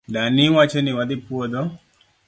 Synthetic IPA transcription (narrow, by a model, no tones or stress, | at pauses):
danɪwat͡ʃenɪwad̪ɪpwod̪ɔ